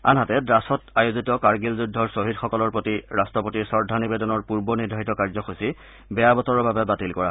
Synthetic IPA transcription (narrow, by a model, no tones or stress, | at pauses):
a̰nɦatɛdɹasɔtajozitɔkaɹɡilzudʱːɔɹsoɦidxɔkɔlɔɹpɹotiɹastɔpotiɹsɔɹdʱanibedɔnɔɹpuɹbɔnidʱaɦitɔkaɹzɔxosi | bɛjabɔtɔɹɔɹbabɛbatilkɔɹa